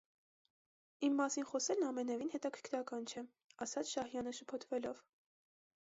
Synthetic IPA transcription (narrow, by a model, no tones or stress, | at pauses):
imːɑsinχɔsɛlnɑmɛnɛvinhɛt̪ɑkʰəɾ̥kʰɾɑkɑnt͡ʃʰɛ | ɑsɑt͡sʰʃɑhjɑnəʃəpʰɔt̪ʰvɛlɔv